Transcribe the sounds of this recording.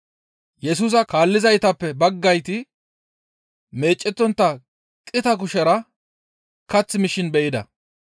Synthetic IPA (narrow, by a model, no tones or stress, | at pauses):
jɛs̬uːs̬ɐkaːlːɪzɐjt̪ɐpːɛbɐɡːɐjt̪ɪ | me̞ːt͡ʃʼːɛt̪ːɔnt̪ːɐ | kʼɪt̪ɐkʊʃɛɾɐ | kɐt͡sːɪmɪʃɪnbɛʔɪd̪ɐ̰